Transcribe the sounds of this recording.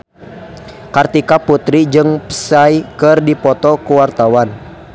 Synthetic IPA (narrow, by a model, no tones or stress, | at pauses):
kart̪ikaput̪ɾid͡ʒɨŋpə̥sajkɨrdipɔt̪ɔkuwart̪awan